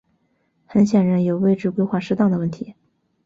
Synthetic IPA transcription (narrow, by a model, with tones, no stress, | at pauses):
xə˧˥nɕjɛ˨˩nɻa˧˥njo˨˩ʊwe˥˧ɪʈ͡ʂɻ̩˥˧kwe˥ɪxwa˥˧ʂɻ̩˥t̪ɑ˥˩ŋd̪ə˩wə˥˩nt̪ʰi˧˥